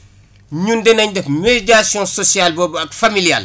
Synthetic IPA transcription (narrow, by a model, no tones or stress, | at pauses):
ɲundɛnɐɲdɛfmeɟasjɔ̃sɔsialbɔːbɐkfamilija̰l